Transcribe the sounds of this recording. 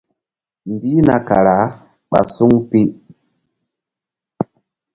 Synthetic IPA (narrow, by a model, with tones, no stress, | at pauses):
m˨bi˦na˨ka˨ɾa˨˦ | ɓa̰˨su˦ŋpi˦